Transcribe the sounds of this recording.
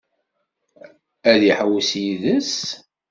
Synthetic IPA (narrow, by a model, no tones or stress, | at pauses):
æðiħəwsjiðəs